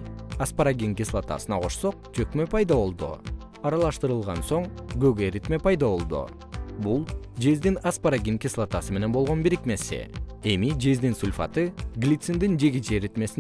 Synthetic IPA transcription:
aspaɾaɡʲiŋkislˠat̪a̰sɯnɑqʰo̞ʃso̞q̚t͡ʃʰøkmøpʰɑjd̪aβo̞lˠd̪ṵ | ɑɾɑlˠɑʃt̪ɯɾɯlˠʁɑ̰nso̞ɴɡøɡeɾit̪mepɑjd̪ɑβo̞lˠd̪ṵ | bulˠd͡ʒe̞zd̪inaspaɾaɡʲiŋkʲislˠat̪asɯme̞ne̞nbo̞lˠʁo̞nbiɾikme̞sḭe̞mid͡ʒe̞zd̪insulʲfa̰t̪ɯɡlʲit̪sɨnd̪ind͡ʒe̞ɡit͡ʃeɾit̪me̞sin

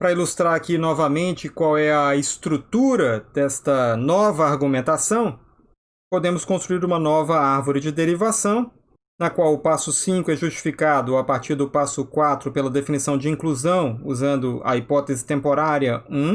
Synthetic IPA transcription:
pɾɐilust̪ɾaɾakinɔvɐmẽnt͡ʃɪkwawɛɐɪst̪ɾut̪uɾɐd̪ɛst̪ɐnɔvɐaɾɡumẽnt̪asɐ̃w̃ | pod̪ẽmʊskõst̪ɾuiɾũmɐnɔvɐaɾvoɾɪd͡ʒɪd̪eɾivasɐ̃w̃ | nɐkwawʊpasʊsĩkʊɛʒust͡ʃi̥fikad̪ʊapaɾt͡ʃiɾd̪ʊpasʊkwat̪ɾʊpelɐd̪efinisɐ̃w̃d͡ʒɪĩkluzɐ̃w̃uzɐ̃nd̪ʊɐ̰ipɔt̪ezɪt̪ẽmpoɾaɾiɐũ

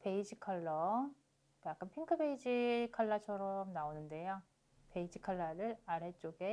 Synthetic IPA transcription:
pe̞id͡ʑikʰaɭːʌ | kjak͈anpʰiŋkʰɯbe̞id͡ʑikʰaɭːat͡ɕʰʌɾʌmnaonɯnde̞jo | pe̞id͡ʑʰikʰaɭːʌɾɯɾaɾe̞t͡ɕ͈oɡe̞

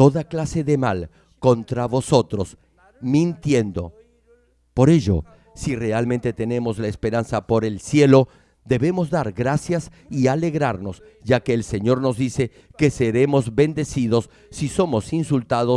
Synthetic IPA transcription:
t̪o̞ðaklase̞ðe̞mal | ko̞nt̪ɾaβo̞so̞t̪ɾo̞s | mĩnt̪je̞nd̪o̞̰ | po̞ɾe̞ʝo̞̰ | sire̞alment̪e̞t̪e̞ne̞mo̞zlaespe̞ɾansapo̞ɾe̞lsje̞lo̞ | d̪e̞βe̞mo̞zðaɾɣɾasjas | iale̞ɣɾaɾno̞s | ʒakeːlse̞ɲo̞ɾno̞zðise̞ | ke̞seɾe̞mo̞zbe̞nd̪e̞siðo̞sː | iso̞mo̞sinsult̪aðo

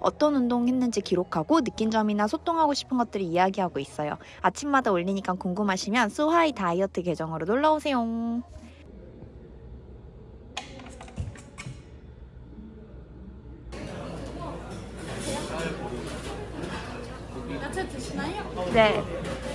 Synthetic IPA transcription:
ʌ̰t͈ʌnundoŋɦe̞nːɯnd͡ʑikiɾokʰaɡonɯk͈ind͡ʑʌminasʰot͈ʰoŋɦaɡoɕʰi̥pʰɯnɡʌt̚t͈ɯɾiːjaɡiɦaɡois͈ʌjo̰ | at͡ɕʰimːadaoʎːiɲik͈ankoŋɡumɦaɕʰimjʌns͈ʰuɦaitaiʌtʰɯke̞d͡ʑʌŋɯɾonoɭːaosʰe̞jo | tɕinane̞

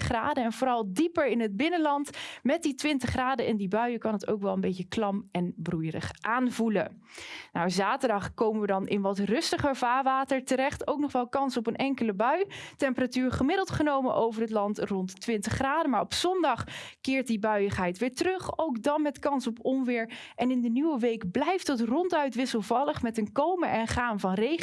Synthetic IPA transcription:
χraːdəɛnvoːɾɑlˠdipəɹɪnɦəd̚bɪnənlɑntmɛt̚ditʋɪntəχraːdəɛndibœɥəkɑnəto̰wkʋɛlˠənbejcəklɑmɛnbrujrə̰χʔaːnvulə̰nawzaːtəɹdɑχkowməʋədɑnɪnʋɑtrɵstəχəɹvaːɹʋaːtəɹtəɾɛχtowknɔχʋɛlˠkɑnsɔpənʔɛŋkələbœɥtɛmpəratyːɹχəmɪdəlˠtχənowmənʔowvərətlɑntrɔntːʋɪntəχraːdəmaːɹɔpsɔndɑχkɪːɹt̚dibœɥəχɦɛjtʋɪːɹtrɵχowkdɑnmɛtkɑnsɔpɔmʋɪːɹʔɛnɪndənywəʋejkblɛjftətrɔntœɥtʋɪsəlˠvɑlˠəχmɛtənkowməʔɛnχaːnvɑnrej

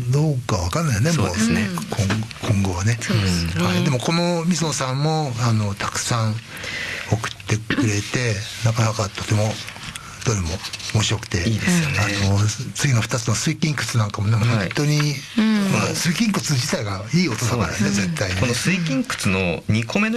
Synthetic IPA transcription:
d̪oːkaβakanːaijonemoːsnekʰõkʰõ̞ŋɡo̞βane̞haid̪e̞mo̞ko̞no̞mʲizõsãmːo̞ano̞t̪ḁkɯ̟̥sãɴ | o̞kɯ̟̥t̪ːe̞ɯ̟ɾe̞t̪e̞nakanakat̪ʰo̞t̪e̞mo̞ | d̪̥oɾɯ̟mo̞omoɕiɾo̞kɯ̟̥t̪e̞ianot͡sɨɡʲino̞ɸɯ̥t̪at͡sɨno̞sɨikʲĩŋkɯ̟t͡sɨnãŋkamo̞ne̞honohnt̪o̞ɲ̟imasɨikʲĩŋkɯ̟t͡sɨd͡ʑit̪aiɡaiːo̞t̪osakaɾaieze̞t̪ːainonesɨikʲĩŋkɯ̥t͡sɨnoɲ̟ikomen

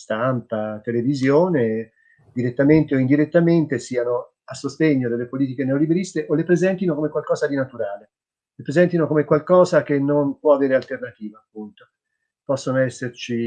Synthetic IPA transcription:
st̪ampat̪elevizjoːne | d̪iɾet̪ːament̪eoind̪iɾet̪ːament̪esiːano | asːost̪eɲːod̪elːepoliːt̪̬ikeneolibeɾist̪eʔolepɾezɛnt̪inokomekwalkɔːzad̪inat̪uɾaːle | lepɾezɛnt̪inokomekwalkɔːzak̟enːonpwɔaveːɾealt̪ernat̪iːvaːpːunt̪o | pɔsːonoɛsːert͡ʃi

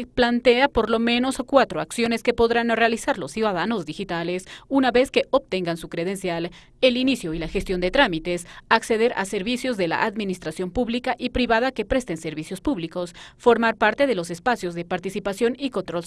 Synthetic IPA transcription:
plant̪e̞apo̞ɾlo̞mẽ̞no̞skwat̪ɾoaksjo̞ne̞ske̞po̞ðɾanre̞alisaɾlosːjuðaðano̞zd̪ixit̪ale̞sunaβe̞ske̞ʔop̚t̪e̞ŋɡansukɾeðe̞nsjal | e̞linisjo̞ilaxest̪jo̞nd̪e̞t̪ɾamit̪e̞sakse̞ðe̞ɾʔa̰se̞ɾβisjo̞zðe̞la̰ʔaðmĩnist̪ɾasjo̞mpuβlikaʔipɾiβaðake̞pɾe̞st̪ense̞ɾβisjo̞spuβliko̞sfo̞ɾmaɾpaɾt̪e̞ðe̞lo̞s̬e̞spasjo̞zðe̞paɾt̪isipasjo̞nikont̪ɾol

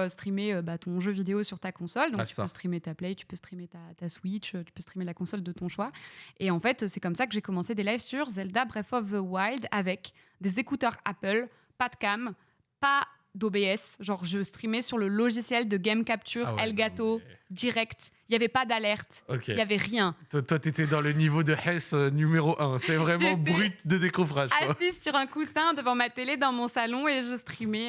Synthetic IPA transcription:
øst̪χimeøbat̪ɔ̃ʒøvid̪eosyʁt̪akɔ̃sɔld̪ɔ̃t̪ypøst̪χimet̪aplɛjt̪y̥pøst̪χimet̪at̪aswit͡ʃøt̪y̥pøst̪χimelakɔ̃sɔld̪ət̪ɔ̃ʃwaeɑ̃fɛt̪øsɛkɔmsakəʒekɔmɑ̃sed̪elajvsyʁzɛld̪abʁɛfɔvwajld̪avɛk | d̪ezekut̪œʁapəl | pad̪kam | pa | d̪obeɛsʒɑ̃ʁʒəst̪χimɛsyʁləlɔʒisjɛld̪əɡʲɛmkap̚t̪ʰyʁɛlɡat̪od̪iʁɛkt̪ | iljavɛpad̪alɛʁt̪okʲeljavɛʁjɛ̃t̪wat̪wat̪et̪ɛd̪ɑ̃lənivod̪əħɛsønymeʁoʔɛ̃sɛvʁɛmɑ̃bʁyt̪̚d̪əd̪ekɔvʁaʒasissyʁɛ̃kusɛ̃d̪əvɑ̃mat̪eled̪ɑ̃mɔ̃salɔ̃eʒəst̪χimɛ

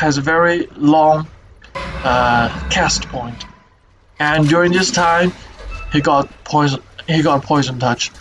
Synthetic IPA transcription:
ɨzəvɛɹilɔ̃ŋ | ʌkʰæstpʰɔ̃ɪ̃nt | ə̃ndjʊɹɪ̃ŋðɪstʰãɪ̃miɡɑt̚pʰɔɪzə̃nhiɡɑɾəpʰɔɪzə̃ntʰʌt͡ʃ

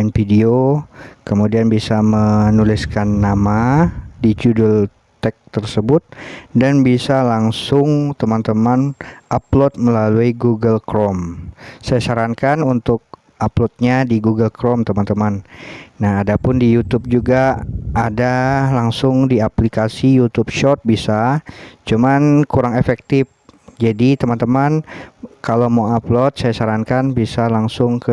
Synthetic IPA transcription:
nfidiokəmudianbisamənulɪskanːamadit͡ʃudʊl | t̪ɛk̚t̪ərsəbʊt̪̚danbisalaŋsʊŋt̪əmant̪əmanʔaplɔt̪̚məlaluiɡuɡəlkɾɔmsajasaɾankanunt̪ʊk̚ | aplɔt̪̚ɲadiɡuɡəlkɾɔmt̪əmant̪əmannahadapʊndijut̪up̚d͡ʒuɡaadalaŋsʊŋdiaplikasijut̪up̚ʃɔt̪̚bisat͡ʃumankuɾaŋefɛk̚t̪ɪf | d͡ʒadit̪əmant̪əmankalomaaplɔt̪̚sajasaɾankanbisalaŋsʊŋkə

